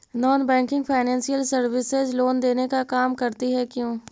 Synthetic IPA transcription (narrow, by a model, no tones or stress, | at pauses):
nɔːnbɛ̃ːŋkɪ̃ŋɡpʰaːɪnɛ̃ːnsijəlsəɾʋɪsɪzloːnd̪eːnekakaːmkəɾt̪iɦɛkjũː